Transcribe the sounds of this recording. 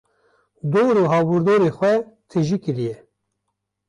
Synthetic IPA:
d̪oːɾoːɦɑːbuɾd̪oːɾeːxʷɛt̪ʰɨʒikɨɾijɛ

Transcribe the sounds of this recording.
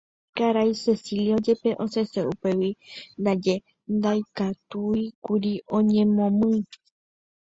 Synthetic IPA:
kaɾajse̞siljiod͡ʒepeʔõseseupe̞wind̪ad͡ʒe | nd̪ajkat̪uikuɾiõ̞ɲẽ̞mõmɨ̃

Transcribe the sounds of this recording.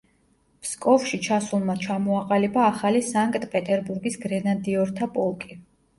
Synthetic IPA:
pskʼɔfʃit͡ʃʰasulˠmat͡ʃʰamɔaqʼalibaːχalisaŋkʼt̪ʼpʼɛt̪ʼɛɾbuɾɡisɡɾɛnad̪iɔɾt̪ʰapʼɔlˠkʼi

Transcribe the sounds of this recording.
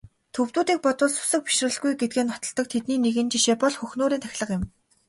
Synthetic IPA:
t̪ʰɵwt̪uːt̪iːk̚pɔt̪ʊ̆ɮsʊ̥sə̆k̚pi̥ʃrə̆ɮɣujɡet̪̚ɡeːnχɔt̪ɞ̆ɮt̪ɞ̆k̚t̪ʰet̪niːneɣɘ̆nt͡ɕiʃeːpɔɮxɵxnoːɾiːnt̪ʰæxʲɮə̆qɪ̆m

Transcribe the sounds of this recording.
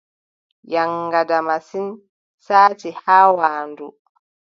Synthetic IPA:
jaŋːɡadamasin | saːtihaːwaːndu

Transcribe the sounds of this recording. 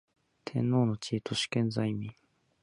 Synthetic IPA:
t̪ʰẽ̞̰nːo̞ːno̞t͡ɕiːt̪o̞ɕi̥kẽ̞nzaimʲi

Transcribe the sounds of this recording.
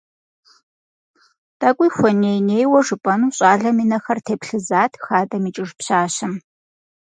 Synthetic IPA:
d̥ɐkʷʼʊjxʷɔneːjneːjwɔʐɨpʼɐnuːɕʼaːɮɐminɐxɐrtʰeːpɬɨzaːtʰxaːdɐmiːt͡ʃʼɪʒpɕaːɕɐm

